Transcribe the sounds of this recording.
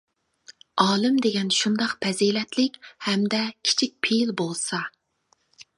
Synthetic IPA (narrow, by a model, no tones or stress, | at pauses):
ɑːlˠɨmd̪eɡʲɛnʃund̪ɑqpʰɛzilɛt̪lɪkʲhɛmd̪ɛkʲʰi̥t͡ʃʰik̚ʲpʰelbolˠsɑ